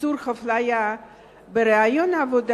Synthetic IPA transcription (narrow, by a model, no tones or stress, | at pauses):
uɾχaflaja | beɾeajonaːvod̪